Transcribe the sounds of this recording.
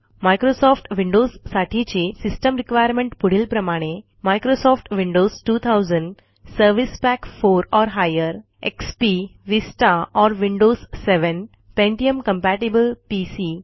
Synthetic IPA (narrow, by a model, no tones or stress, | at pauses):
maɪkɾoːsɔːfʰʈʋɪ̃ɳɖoːssaʈʰit͡ʃisɪsʈəmɾɪkʋajəɾmẽɳʈpʊɽilpɾɐmaːɽ̃e | maɪkɾoːsɔːfʈʋɪ̃ɳɖoːzʈuːt̪ʰaʊzə̃ɳɖ | səɾʋispækfoːɾɔːɾɦaːjəɾ | ḛkspiʋisʈaɔːɾʋɪ̃ɳɖoːzseʋə̃n | pẽɳʈiəmkɐ̃mpæːʈibəlpiːsiː